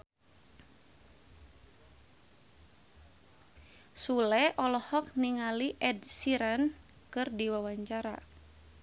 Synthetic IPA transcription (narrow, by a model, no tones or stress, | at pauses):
sulɛʔɔlɔhɔk̚niŋaliʔɛdsiɾan | kɨrdiwawaɲt͡ʃaɾa̰